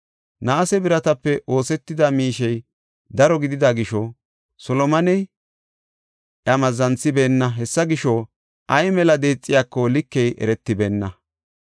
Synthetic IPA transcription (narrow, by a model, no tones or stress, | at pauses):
naːsɛbɪɾɐt̪ɐpːɛʔo̞ːsɛt̪ːɪd̪ɐmiːʃɛj | d̪ɐɾɔɡɪd̪ɪd̪ɐɡɪʃɔ | sɔlɔmɐnɛj | ʔɐmɐzːɐnt͡sːɪbe̞ːnːɐɦɛsːɐɡɪʃɔ | ʔɐjmɛlɐd̪e̞ːt͡sʼːɪjaːkːɔlɪkːɛjʔɛ̰ɾɛt̪ːɪbeːnːɐ